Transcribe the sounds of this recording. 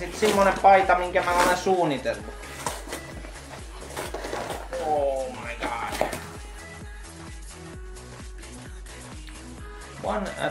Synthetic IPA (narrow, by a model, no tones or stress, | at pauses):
sit̪simːonempɑit̪ɑmiŋkæmæolesuːnit̪elːu̥ | oːmɑiɡɑ | ʋɑ̰n̰